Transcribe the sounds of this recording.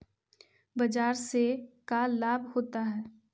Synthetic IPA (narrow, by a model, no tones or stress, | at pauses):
bɐd͡ʒaːɾsekallaːbʱhoːt̪aɦɛː